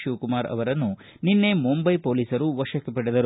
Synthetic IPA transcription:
ʃuːkumaːɾɐ̰ʋɐɾɐnːu | ninːe̞mumbɐjpo̞ːliːsɐɾuʋɐʂɐkːepɐɽɛd̪ɐɾu

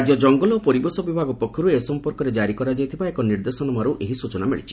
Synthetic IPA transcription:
ɾd͡ʒɔd͡ʒɔŋɡɔlɔpɔɾibɔsɔbibʱaɡɔpɔkʰːɔɾuesɔmpɔɾkɔɾed͡ʒaɾikɔɾad͡ʒajt̪ʰibaekɔniɾd̪esɔnɔmaɾuʔeɦisut͡ʃɔnameɭit͡ʃʰi̥

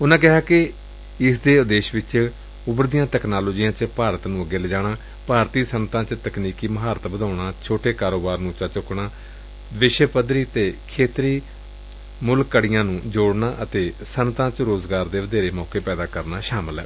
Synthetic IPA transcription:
ʊnãːk̬ɪɦaːkɪ | ɪsd̪eːʊd̪eːʃʋɪt͡ʃ | ʊbəɾd̪ijãːt̪ɛːknaːloːd͡ʒiːãːt͡ʃpaːɾət̪nũːəɡeːləd͡ʒaːɳaː | paːɾt̪iːsənt̪ãːt͡ʃt̪əkniːkiːməɦaːɾət̪bəd̪aːʊɳaːt͡ʃʰoːʈeːkaːɾoːbaːɾnũːt͡ʃat͡ʃʊkɽaː | ʋɪʃəpəd̪ɾiːt̪eːkʰeːt̪ɾiː | mʊlkːəɽɪjãːnũːd͡ʒoːɽnaːʔət̪eːsənt̪ãːt͡ʃɾoːzɡaːɾd̪eːʋəd̪eːɾeːmɔːkeːpɛːd̪aːkəɾnaːʃaːməlɦɛ̰ː

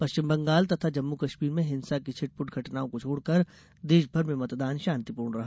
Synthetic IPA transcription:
pɐʃt͡ʃɪmbɐ̃ŋɡaːlt̪ɐt̪ʰad͡ʒɐmːukɐʃmiːɾmẽɦɪ̃nsakit͡ʃʰɪʈ̚pʊʈɡʱɐʈnaːõkot͡ʃʰoːɽkɐɾ | d̪eːʃbʱɐɾmẽmɐt̪d̪aːnʃaːnt̪ipuːɾɳɾɐɦa

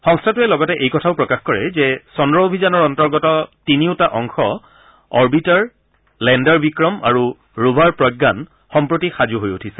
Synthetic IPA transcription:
xɔŋstʰatuɛlɔɡɔtɛʔejkɔtʰaʊpɹɔkaxkɔɹɛzɛsɔndɹɔobʱizanɔɹɔntɔɹɡɔtɔtiniʊtaʔɔŋxɔ | ɔɹbitaɹ | lɛndaɹbikɹɔma̰ɹu | ɹubʱaɹpɹɔjɡːan | xɔmpɹotixazuɦojutʰisɛ̥

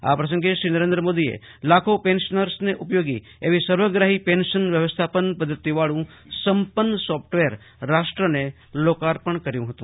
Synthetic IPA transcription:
a̰pɾəs̬ə̃ŋɡeʃɾiːnəɾẽnd̪ɾəmoːd̪iḛlakʰopẽnʃənəɾsneʔʊpjoːɡḭ | eʋisəɾʋəɡɾaɦipẽnʃənʋjəʋəst̪ʰapənpəd̪ʱːət̪iʋaɭũ | səmpənːəsɔpʰʈʋeɾː | aʃʈɾəne | lokaɾpəɳkəɾjũɦət̪ũ

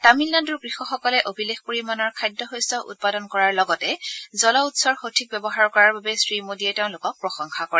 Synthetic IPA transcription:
tamilːandʊɹɡɹixɔxɔkɔlɛʔobʱilexpoɹimanɔɹkʰajdːɔxojstɔʔṵt̚padɔnkɔɹaɹlɔɡɔtɛzɔlɔutsɔɹxotʰik̚bɛbɔɦaɹkɔɹaɹbabɛsɹimodiɛteʊ̃lʊkɔk̚pɹɔxɔŋxakɔɹɛ

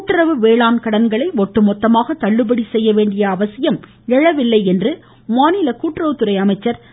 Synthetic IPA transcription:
kuːʈːɾɐʋɯʋeːɭaːnkɐɽɐnɡɐɭɐɪʋɔʈːɯmɔt̪ːɐmaːɣɐt̪ːɐɭːɯbɐɽisɛjːɐʋeːɳɖɪjɐːʋɐsɪjɐm | ɛɻɐʋɪlːɐɪɛndrɯ | maːnɪlɐkuːʈːrɐʋɯt̪ːɯɾɐɪɐmɐɪt͡ʃːɐɾ

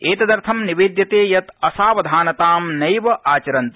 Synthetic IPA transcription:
eːt̪ɐd̪ɐɾt̪ʰɐmniʋeːd̪jɐt̪eːjɐt̪ɐsaːʋɐd̪ʱaːnɐt̪aːmnɐjʋɐʔaːt͡ʃɐɾɐnt̪

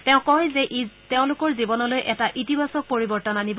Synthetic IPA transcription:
tɛʊ̃kɔɦzɛʔitɛʊ̃lʊkɔɹzibɔnɔlojʔɛtaʔitibasɔk̚poɹibɔɹtɔnanibɔ

